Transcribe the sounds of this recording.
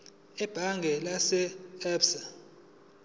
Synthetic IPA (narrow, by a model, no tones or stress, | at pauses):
ɛb̥ʱaŋɡʱɛlasɛɛpsa